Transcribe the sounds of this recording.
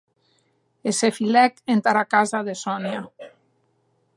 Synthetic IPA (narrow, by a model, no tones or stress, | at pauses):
esefilɛkent̪aɾakazaðesɔnja